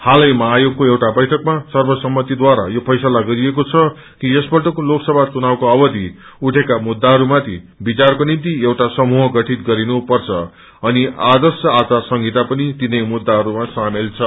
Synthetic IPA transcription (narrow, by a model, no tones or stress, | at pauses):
halʌjmʌɦajoɡkoewʈabʌjʈʰʌkmasʌrbʌsʌmːʌt̪id̪waɾa̰jopʰʌjsalaɡʌɾiekot͡sʰʌ | kiʌsbʌʈʌkoloksʌbʱat͡sunawkoʌbʌd̪ʱi | uʈʰekamud̪ːaɦʌɾumat̪ʰibit͡sarkonimt̪iewʈasʌmuɦʌɡʌʈʰit̪ɡʌɾinupʌrt͡sʰʌ̰ | ʌniʔad̪ʌrsjʌat͡sarsʌŋɡit̪apʌnit̪inʌjmud̪ːaɦʌɾumasamelt͡sʰʌ